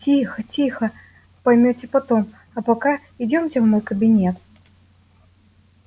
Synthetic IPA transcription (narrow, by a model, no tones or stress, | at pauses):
t͡sʲixɐt͡sʲixɐ | pajmʲɔt͡sʲɛpat̪ɔm | ɐpaka | id͡zʲɔmsʲɐwmɔjkɐbʲinʲɛt̪